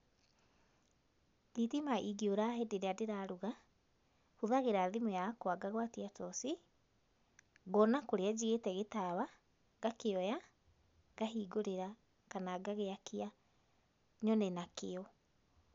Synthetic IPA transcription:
ditimaʔiɡioɾaɦedeɾeadeɾaɾuɣa | huðaɣeɾaðimojakoaɡaɣwatiatɔsi | ɣɔnakoɾead͡ʑiɣetɛɣetaβa | ɡakeɔja | ɡaɦiːɡoɾeɾa | kanaɡaɣeakʰia | ɲɔnɛnakeɔ

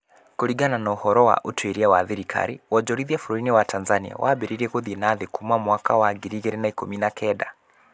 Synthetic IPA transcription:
koɾiɡananɔohɔɾɔwa̰ʔotweɾiawaðiɾikʰa̰ɾiwɔd͡ʒɔɾiðiafuɾoinewatʰanzania̰wʔaːbeɾiɾiɛkoðinaðekumamwakawaɡiɾiɣeɾenaikominakʰɛda

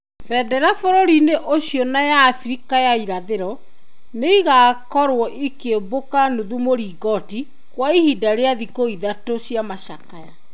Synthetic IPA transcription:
fɛdɛɾafoɾoɾineʔoɕjɔnajaːfɾikajaiɾaðeɾɔ | neiɣakɔɾwɔʔikebokanoðumoɾiːɡɔti | kwaihidaɾeaðikoiðatoɕjamaɕakaja

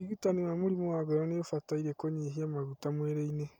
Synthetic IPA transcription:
iɣutanewamoɾimowaɡoɾɔneofataiɾekoɲiɦiamaɣutamweɾeine

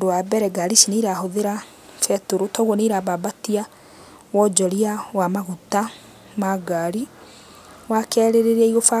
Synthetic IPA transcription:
dowabɛɾɛɡaɾisineiɾaɦoðeɾa | fɛtoɾotɔɣwɔneɾababatia | wɔd͡ʒɔɾiawamaɣuta | maɡaɾi | wakɛɾeɾeɾɛiɣofa

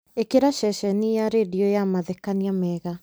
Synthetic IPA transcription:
ekeɾaʃɛʃɛnijaɾediɔjamaðekaniamɛːɣa

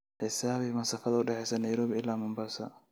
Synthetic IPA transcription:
ħɪsaːβɪmɐnsɐfɐðɐʊɖɛħɛjsɐnɐjɾɔːβɪɪlːaːmʊmbaːsɐ̰

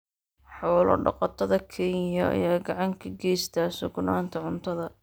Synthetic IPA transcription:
ħɔːlɔ̰ɖɑ̰qɑt̪ʰɐðɐkʰɛnjɐʔɐ̰jaːɡɑʕɑŋkʰɐɡɛːjst̪ʰɐːsʊɡnaːnt̪ʰɐʕʊnt̪ʰɐðɐ

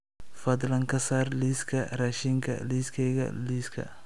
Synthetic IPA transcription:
fɐd̪lɐŋkʰɐsaːrliːskʰɐraːʃiŋkʰɐ̰liːskʰɛjɣɐ̰liːskʰɐ̰

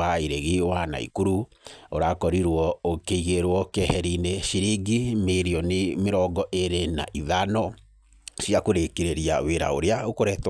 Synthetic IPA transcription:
aeɾeɣiwana̰ḭkuɾu | oɾakɔɾiɾwɔokeiɣeɾwɔkɛhɛɾineʃiɾiɡimeɾiɔnemeɾɔɡɔʔeɾena̰ʔiðanɔ | siakoɾekeɾeɾia̰weɾa̰o̰ɾeaokoɾɛt

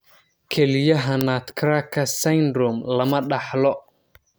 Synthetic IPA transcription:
kʰɛlɪjɐɦɐnaːt̪kʰɾaːkʰːɐsɐjnd̪ɾɔmlɐmɐɖɑħlɔ

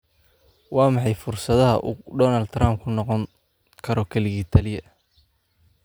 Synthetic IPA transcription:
wɑːmɑħɑjfʊrsɐðɐɦɐʔuːɖɔːnɐld̪raːmbkʰʊnɔqɔŋ | kʰɐɾɔkʰɐlɪɣiːt̪ʰɐlɪjɐ

